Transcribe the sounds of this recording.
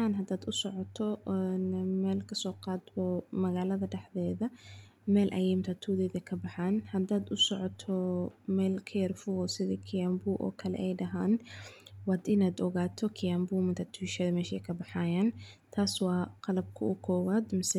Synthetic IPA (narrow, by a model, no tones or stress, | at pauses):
aːnɦɐd̪aːd̪ʊsɔʕɔt̪ʰɔnmɛːlkʰɐsɔːqɑːd̪bɔmɐɣaːlɐðɐɖɛħðɛːðɐ | mɛːlʔɐ̰jɛmt̪ʰɐt̪ʰuːðɛːðɛjkʰɐbɑħaːnhɐd̪aːd̪ʊsɔʕɔt̪ʰɔmɛːlkʰɐjɐrfʊɔsɪðikʰɪjambuːʔɔ̰ːkʰɐlɛ̰ʔɛjɖɐɦaːnwɑːd̪ɪnaːd̪ɔɣaːt̪ʰɔkʰɪjambuːmɪnt̪ʰɐt̪ʰuːʃɛðɐmɛːʃɛjkʰɐbɑħaːjaːnt̪ʰaːswɑːqɑlɐb̚kʰʊʊkʰɔːwaːd̪mɪsɛ